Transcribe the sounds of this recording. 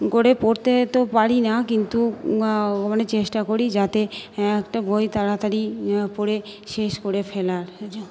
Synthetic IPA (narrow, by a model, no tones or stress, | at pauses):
koɾepoɾt̪et̪opaɾinakint̪u | ɔmanet͡ɕeʃʈakoɾid͡ʑat̪eɛkʈabʱojt̪aɾat̪aɾipoɾeʃeʃkoɾefʰɛlaɾ